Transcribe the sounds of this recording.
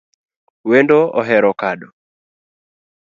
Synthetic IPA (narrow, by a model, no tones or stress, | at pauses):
wendɔɔɦɛɾɔkaɗɔ